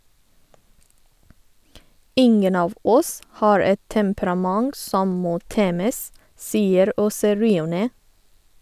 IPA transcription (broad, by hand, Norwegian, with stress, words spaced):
ˈɪŋən ˈɑːʋ ˈɔs ˈhɑːɹ ˈɛt tɛmpɾɑˈmɑŋɡ ˈsɔm ˈmoː ˈteːməs ˈsiːəɾ ˈoːsə ˈɹiːʊˌneː